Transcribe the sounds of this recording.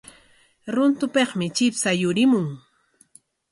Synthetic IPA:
ɾʊnt̪ʊpeχmɪt͡ʃɪpsajʊɾɪmʊŋ

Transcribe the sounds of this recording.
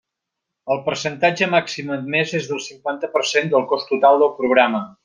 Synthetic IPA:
əlˠpərsənt̪ad͡ʒəmaksiməd̪mezezðəlˠsiŋkwant̪əpərsend̪əlˠkɔst̪ut̪alˠd̪əlˠpɾuɣɾamə

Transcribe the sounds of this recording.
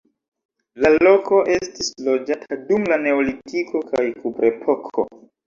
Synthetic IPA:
lalo̞ko̞ʔe̞stislo̞d͡ʒatʰadumlane̞olitiko̞kajkubɾe̞pʰo̞kʰo̰

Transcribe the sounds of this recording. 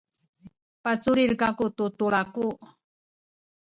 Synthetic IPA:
pat͡suɾiɾkakut̪ut̪uɭaku

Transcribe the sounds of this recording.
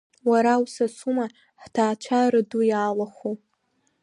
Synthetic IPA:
waɾawsasuma | ħtʰaːt͡ʃʷʰaɾɨdujaːlaχu

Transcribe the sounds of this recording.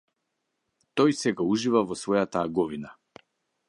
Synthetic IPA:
t̪ɔjsɛɡauʒivavɔsvɔjat̪aːɡɔvina

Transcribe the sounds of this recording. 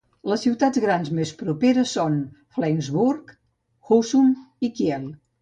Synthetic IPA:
ləsːiwt̪ad͡zɣɾanzmespɾupeɾəsːon | flɛŋzβuɾk | xusum | ikjɛlˠ

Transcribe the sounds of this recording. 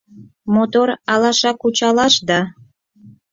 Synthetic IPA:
mot̪oɾɑlˠɑʃɑkut͡ɕɑlɑʃd̪ɑ

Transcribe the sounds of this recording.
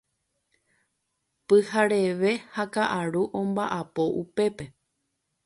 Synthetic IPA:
pɨhaɾe̞ʋe̞hakaʔaɾuʔõ̞mbaʔapo̞ʔupe̞pe̞

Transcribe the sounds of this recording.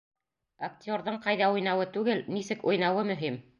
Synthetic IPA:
ak̚t̪ʲo̞ɾðɤɴqɑjðɑujnɑwɤt̪ʉɡɘlnisɘkujnɑwɤmɵ̆ɦim

